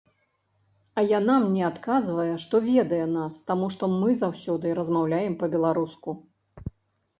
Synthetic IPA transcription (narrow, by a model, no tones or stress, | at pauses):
ɐjanamnʲɛat̪kazvɐjɛʂt̪ɔvʲɛd̪ɐjɛnast̪amuʂt̪ɔmɨzawsʲɔd̪ɨɾɐzmawlʲajɛmpɐbʲɛlˠaɾusku